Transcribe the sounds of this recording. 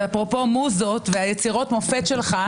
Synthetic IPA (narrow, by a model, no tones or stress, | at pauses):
apʁopo̞muzo̞t̪veajet͡siʁo̞tmofe̞t̪ʃelχa